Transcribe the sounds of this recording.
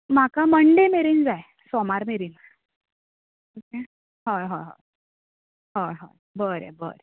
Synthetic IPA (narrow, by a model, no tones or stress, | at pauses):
m̤akaməɳɖemeɾiːnd͡zae | sɔmaɾmeɾiːn | oke | ɦaɦoɦo̰ | ɦoɦo | bəɾḛbə̰ɾ